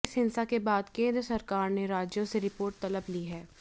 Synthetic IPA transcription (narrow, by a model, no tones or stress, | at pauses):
ɪsɦɪnsakebaːd̪kẽːnd̪ɾəsɐɾkaːɾneɾaːd͡ʒjõseɾɪpoːɾʈ̚t̪ɐləbliɦɛː